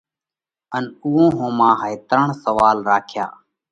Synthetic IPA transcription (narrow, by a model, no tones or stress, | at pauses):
ənʊɦõːɦõːmãːɦəet̪əɾəɳsəʋaːlɾaːkʰja̰ː